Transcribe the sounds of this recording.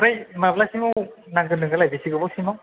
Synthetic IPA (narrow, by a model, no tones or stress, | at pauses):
ɾajmablasimɯwnaŋɡɯnɯŋɡɯlajbisiɡɯbɔsimɔw